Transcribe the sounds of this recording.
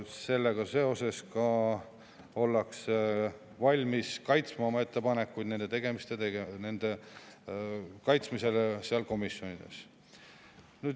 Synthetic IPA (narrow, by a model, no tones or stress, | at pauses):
se̞lːeɡ̥ɑse̞o̞se̞skɑ | o̞lːɑks | vɑlʲmiskɑjt̪smɑmɑe̞t̪ːe̞pɑne̞kːujd̪̥ne̞nd̪̥e̞t̪e̞ɡ̥e̞mist̪eeene̞nd̪̥e̞ | kɑjt̪smise̞leseɑlko̞misjo̞nid̪̥e̞̰s | nyːd̪